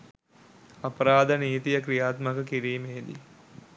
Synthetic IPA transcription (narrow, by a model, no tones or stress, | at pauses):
ɐpəɾaːd̪əniːt̪ijəkɾijaːt̪məkəkiɾiːmeːd̪ḭ